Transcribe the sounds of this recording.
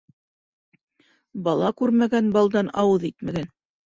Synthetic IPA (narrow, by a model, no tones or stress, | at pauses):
bɑlˠɑkʉɾmæɡænbɑlˠd̪ɑnɑwɤðit̪mæɡæn